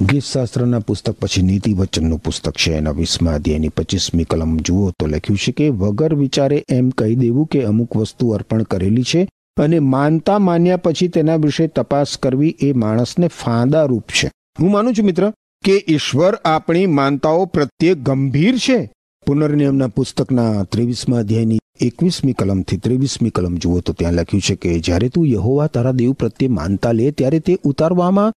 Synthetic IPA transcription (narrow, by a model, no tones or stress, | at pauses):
ɡɪssast̪ɾənapʊst̪ək̚pət͡ʃʰinit̪iʋət͡ʃənːũpʊst̪əkt͡ʃʰḛːna̰ʋismã̰d̪ʱja̰nipət͡ʃismikələmd͡ʒuot̪olə̰kʰjũt͡ʃʰekeʋəɡəɾʋit͡ʃaɾeʔɛmkəɦid̪eʋũkeəmukʋəst̪uəɾpəɳkəɾelit͡ʃʰe | ənemãnt̪amanjapət͡ʃʰit̪enaʋɪʃet̪əpaskəɾʋiʔemaɽ̃əsnefãd̪aɾupt͡ʃʰḛ | ɦũmanũt͡ʃʰumɪt̪ɾə | keʔɪʃʋəɾapɳ̃imãnt̪aopɾət̪jek̚ɡəmbʱiɾt͡ʃʰe | pʊnəɾnijəmnapʊst̪əknat̪ɾiʋismãəd̪ʱjajni | ekʋismĩkələmt̪ʰit̪ɾeʋismikələmd͡ʒoot̪ot̪jãləkʰjũt͡ʃʰeked͡ʒjaɾet̪ũjəɦoʋat̪ʰaɾad̪ewpɾət̪jemã̰nt̪alet̪jaɾet̪eʔut̪aɾʋamã